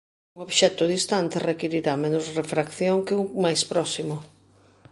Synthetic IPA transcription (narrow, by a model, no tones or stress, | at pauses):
uŋoβʃɛt̪ʊðist̪ant̪ɪrekiɾiɾamenʊsrefɾakθjoŋkeumajspɾɔsimʊ